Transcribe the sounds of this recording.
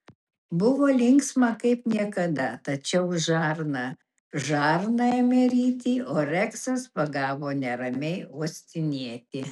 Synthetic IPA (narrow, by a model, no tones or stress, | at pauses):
bʊʋoːlʲɪŋksmɐkɐɪpnʲiɛkɐd̪ɐt̪ɐt͡ʃʲɛʊʒɑːɾnɐ | ʒɑːɾnɐɛmʲɛɾʲiːt̪ʲiːoːɾʲɛksɐspɐɡɑːʋoːnʲɛɾɐmʲɛɪuɔsʲt̪ʲɪnʲiɛt̪ʲɪ